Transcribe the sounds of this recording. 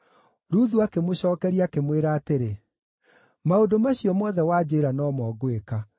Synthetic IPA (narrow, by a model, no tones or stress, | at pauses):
ɾuðuakemoɕɔːkɛɾiakemweɾaːteɾe | maodomaɕiɔmwɔðɛwad͡ʑeɾanɔːmɔɡweka